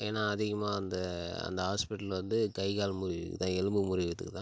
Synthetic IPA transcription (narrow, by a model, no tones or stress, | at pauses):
eːnːaːɐðɪɣɐmaːɐnd̪ɐɐ̰nd̪ɐɦaːspɪʈːɐlʋɐnd̪ɯkɐɪɣaːlmʊɾɪkːɯt̪ãːɛlɯmbɯmʊɾɪʋɪt̪ːɯkːɯt̪ã